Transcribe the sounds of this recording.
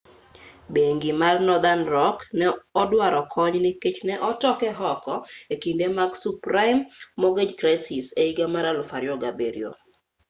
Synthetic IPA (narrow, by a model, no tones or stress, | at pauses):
beŋɡɪmarnɔd̪anɾɔknɛɔdwaɾɔkʰɔɲnɪket͡ʃnɛʔɔtɔkɛɦɔkɔekindemaɡsupɾaimːɔɡed͡ʒkɾaɪsɪseiɡamaɾalʊfaɾjɔɡabeɾḭo̰